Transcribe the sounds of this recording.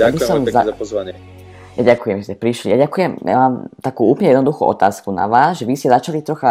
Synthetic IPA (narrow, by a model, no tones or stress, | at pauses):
abissɔmzaapɔzʋaɲɪɛ | jaɟakujɛmʒɛscɛpɾiʃlḭjaɟakujɛmja̰maːmt̪akuːuːplɲɛjɛd̪nɔd̪uxṵːʔɔ̰t̪aːskuna̰ʋaːzʒɛʋiscɛzat͡ʃalit̪ɾɔxa